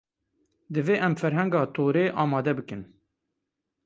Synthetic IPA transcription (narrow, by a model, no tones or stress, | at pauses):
d̪ɨveːʔɛmfɛɾɦɛŋɡɑːt̪ʰoːɾeːʔɑːmɑːd̪ɛbɨkɨn